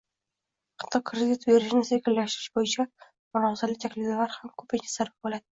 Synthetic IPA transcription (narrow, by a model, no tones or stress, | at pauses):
qʰɨ̥t̪ʰːɒkʰːɾed̪it̪beɾɪʃnɪsekʲɪlːaʃt̪ɪɾɪ̥ʃbojɪt͡ʃʰa | mʊɾɒzalɪt̪ʲʰakʲlɪd̪alaɾhamkʰɵpaɡʲasaɾbɪp̚bolˠad̪ɪ